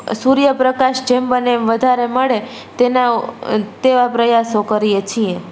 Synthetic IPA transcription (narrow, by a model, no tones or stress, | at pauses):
suɾjəpɾəkaʃd͡ʒembəneʋəd̪ʱaɾeməɭe | t̪enaot̪eʋapɾəjasokəɾijet͡ʃʰie